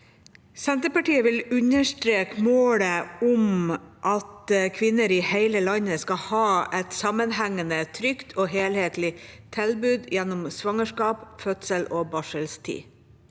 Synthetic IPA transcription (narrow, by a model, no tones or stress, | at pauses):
sɛnt̪əɾpɑʈiːəʋɪlʉɲəʂʈɾeːkmoːləɔmʔɑt̪kʰʋɪnːəɾɪheɪləlɑɲəskɑhɑːɛt̪sɑmənhæŋːənət̪ʰɾʏkt̪ʰoːɦeːlheːt̪lɪt̪ʰɪlbʉːd̪jɛnːʊmsʋɑŋəʂkɑːpfœt̪səloːbɑʂəlst̪ʰḭː